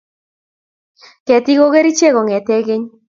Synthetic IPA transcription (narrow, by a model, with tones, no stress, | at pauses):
kɛ˨t̪i˦ɣo˦ɣe˦ɾi˦t͡ʃe˦ɣɔ˨ŋɛ˨t̪e˦ɣɪ˦ɲ